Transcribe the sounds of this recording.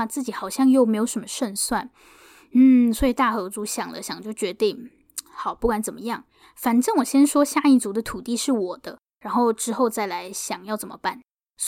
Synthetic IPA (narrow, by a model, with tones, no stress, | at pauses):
t͡sɹ̩˥˩t͡ɕi˧˥xɑ˨˩ʊɕjɑ˥˧ŋjo˥˩ʊme˧˥ɪjo˧˥ʊʂə˧˥mə˧˦ʂwə˥˧nswa˥˩n | n̩˥˩s̬wɔ˧˥i˨˩t̪a˥˩xɤ˧˥t͡su˧˥ɕjɑ˨˩ŋlə̰˦ɕjɑ˨˩ŋt͡ɕjo˥˩ʊt͡ɕɥɛ˧˥t̪i˥˩ŋ | xɑ˨˩ʊpu˥˩kwa˧˥nt͡sə˨˩nmə˦jɑ˥˩ŋ | fa˨˩nʈ͡ʂɤ˥˩ŋwɔ˨˩ɕjɛ˥nʂwɔ˥ɕja˥˧i˥˩t͡su˧˥d̪ə˧t̪ʰu˨˩t̪i˥˧ʂɻ̩˥˩wɔ˨˩d̪̥ə˦ | ɻa˧˥nxo˥˩ʊʈ͡ʂɻ̩˥xo˥˧ʊt͡sa˥˩ɪla˧˥ɪɕjɑ˨˩ŋjɑ˥˩ʊt͡sə˨˩mə̰˦pa˥˩n | s